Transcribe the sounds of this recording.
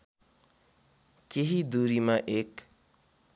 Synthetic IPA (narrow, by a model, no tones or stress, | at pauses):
keɦid̪uːɾimãʔeːk